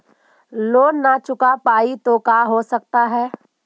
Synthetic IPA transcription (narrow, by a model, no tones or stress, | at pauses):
loːnːat͡ʃʊkapaːit̪okaːɦosɐk̚t̪aɦɛː